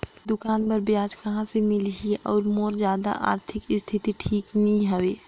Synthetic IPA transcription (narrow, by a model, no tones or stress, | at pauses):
d̪ʊkaːnpəɾbjaːd͡ʒkɐɦãsemɪlɦiʔɔːɾmoːɾzjaːd̪a̰ʔa̰ːɾt̪ʰɪkɪst̪ʰɪt̪iʈʰiːknəɦĩɦɐʋeː